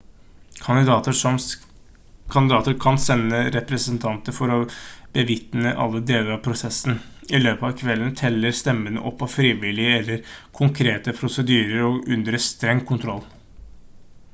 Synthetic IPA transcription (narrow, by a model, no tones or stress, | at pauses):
ɑt̪əʂɔ | kʰɑnd̪ɪd̪ɑːt̪əɾkʰɑnsɛnːəɾɛpɾəsənt̪ʰɑnt̪əɾfɔɾɔb̥əʋɪt̪nəʔɑ̰lːəd̪eːləɾɑʋpʰɾʊsɛsn̩ | ɪløːpəɑʋkʰʋɛlənt̪ʰɛlːəɾst̪ɛmːənə̰ʔɔpːɑʋfɾiːʋɪlɪəɛlːəɾkʰʊŋkʰɾeːt̪əpʰɾʊsəd̪yːɾəɾɔʉnd̪ɾəst̪ɾɛŋːkʰʊnt̪ʰɾɔlː